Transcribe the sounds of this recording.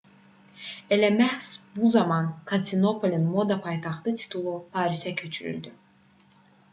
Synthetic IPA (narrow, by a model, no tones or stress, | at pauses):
elæmæhsbuzɑmɑnkʰat̪ino̞pʰolʲinmo̞d̪ɑpʰɑjt̪ʰɑχt̪ɯt̪ʰi̥t̪ʰulˠupʰɑːɾisæcʰø̞t͡ʃʰyɾy̰ld̪y